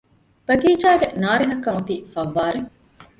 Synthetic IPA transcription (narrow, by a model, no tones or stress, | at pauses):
b̥ɐɡiːd͡ʒaːɡenaːɾeɦɐkːɐmut̪iːfɐʋːaːɾe